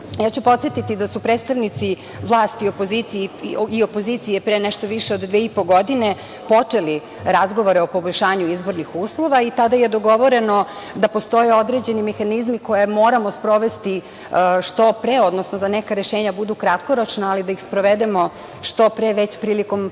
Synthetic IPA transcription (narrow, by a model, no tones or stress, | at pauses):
jaːt͡ɕupo̞t̪sjet̪it̪id̪asupɾeːt̪st̪aʋnit̪si | ʋlˠaːst̪iopo̞zit̪siiopo̞zit̪sijepɾenɛʃt̪oʋiʃeod̪d̪ʋeːipo̞ɡo̞d̪ine | po̞t͡ʂe̞li | ɾazɡo̞ʋo̞ɾeopo̞boʎʲʃaːɲuizbo̞ɾnixuːslˠo̞ʋait̪ad̪ajed̪o̞ɡo̞ʋo̞ɾe̞no̞ | d̪apo̞st̪o̞je̞o̞d̪ɾed͡ʑe̞nimexanizmiko̞je̞mo̞ːɾamo̞spɾo̞ʋe̞st̪i | ʃt̪o̞pɾeo̞d̪nosnod̪anekaɾeʃeːɲabud̪ukɾat̪ko̞ɾot͡ʃnaːlid̪aixspɾoʋed̪e̞mo̞ | ʃt̪o̞pɾeʋet͡ɕpɾiːliko̞m